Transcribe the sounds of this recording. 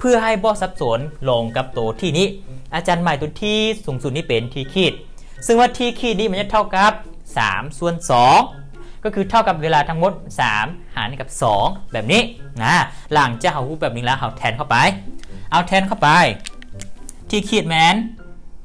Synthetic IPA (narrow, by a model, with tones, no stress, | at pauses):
pʰɯ˧˩ɐɦa˧˥˩jbɔː˧˩˦sa˧˦˥p̚so˨˩˦nlo˨˧˩ŋka˧˦p̚t̪oː˨˩t̪ʰiː˧˩niː˧˩˨ʔaː˧t͡ɕaː˧nma˧˩jt̪o˧˦t̪ʰiː˧˩suː˨˦ŋsu˨t̪̚niː˥˩pe˨nt̪ʰiː˧kʰiː˧˩t̪̚ | sɯ˧˩ŋwaː˧t̪ʰiː˧˩kʰiː˧˩t̪̚niː˧˥˨ɛ˧˥ɲa˧˥t̪ʰa˧˥˩wka˧˦p̚ | sa̰ː˩˦msu˧˨ənsɔː˨˦ŋ | kɔː˧˩kʰɯː˧t̪ʰa˧˩wka˧p̚weː˧laː˧t̪ʰa˦˥ŋmo˧˥t̪̚sa̰ː˩˦mhaː˨˦nha˧˨˩ka˧˩p̚sɔː˨˩˦ŋbɛː˨˩p̚niː˧˥˨na˧˥la˨˩˦ŋt͡ɕaː˧˨k̚ha˧whuː˧˩bɛː˨˩p̚niː˧˥˨lɛː˧˥ɦa˧˩wt̪ʰɛː˧nkʰa˧˩wpa˨˧jʔa˧wt̪ʰɛː˧nkʰa˧˥˩wpa˧j | t̪ʰiː˧˩kʰiː˧˩t̪̚mɛː˧n